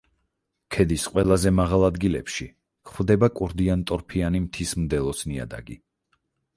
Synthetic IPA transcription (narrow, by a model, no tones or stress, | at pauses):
kʰɛd̪isqʼwɛlˠazɛmaʁalˠad̪ɡilɛ̰pʃi | kχwd̪ɛbakʼuɾd̪iant̪ʼɔɾpʰianimt̪ʰismd̪ɛlˠɔsnia̰d̪a̰ɡḭ